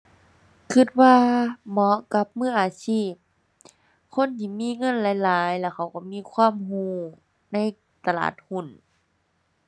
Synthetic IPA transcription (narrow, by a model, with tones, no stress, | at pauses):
kʰɯ˧˩t̪̚waː˧mɔ˧˦ka˧˦p̚mɯː˧˩˨ʔaː˨˧˦siː˧˥˩p̚ | kʰo˧˥˨nt̪ʰiː˧˩˨miː˧˥˨ŋɤ˧˥˨nlaː˨˦jlaː˨˦jlɛː˧˩kʰa˧˩wkɔ˧˩miː˧˥˨kʰwaː˧˥˨mɦuː˧˥˩ | na˧˥˨j | t̪a˧la̰ː˨˩t̪̚hu˧˩˨n